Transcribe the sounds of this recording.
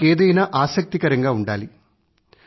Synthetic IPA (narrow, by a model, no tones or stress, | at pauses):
eːd̪ɐjnaːʔaːsɐk̚t̪ikɐɾɐŋɡaːuɳɖaːli